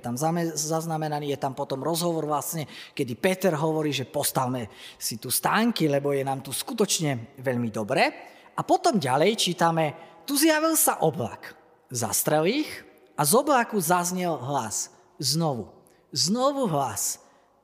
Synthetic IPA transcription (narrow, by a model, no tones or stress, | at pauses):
t̪amzazaznamɛnaniːjɛt̪ampɔt̪ɔmɾɔzɦɔʋɔɾʋlasɲɛkɛd̪ipɛt̪ɛɾɦɔʋɔɾiːʒɛpɔst̪aʋmɛsit̪ust̪aːŋkilɛbɔjɛnaːmt̪uskut̪ɔt͡ʃɲɛʋɛʎmid̪ɔbɾɛː | apɔt̪ɔmɟalɛjt͡ʃiːt̪amɛt̪uzjaʋilsaʔɔbla̰k | za̰st̪ɾɛlix | ʔazɔblakuzazɲɛlɦlas | znɔʋṵ | znɔʋuɦlas